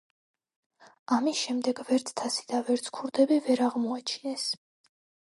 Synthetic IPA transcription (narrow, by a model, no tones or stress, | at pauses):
amisʃɛmd̪ɛɡvɛɾt̪sʰt̪ʰasi̥d̪̥avɛɾt̪sʰkʰuɾd̪ɛbivɛɾaʁmɔat͡ʃʰinɛs